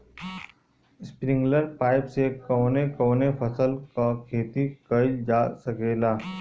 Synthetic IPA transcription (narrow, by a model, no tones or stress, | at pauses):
spɾɪ̃ŋɡləɾpaːɪpsekɔːnekoːnefɐsəlkakʰeːt̪ikɐid͡ʒaːsɐkeːlaː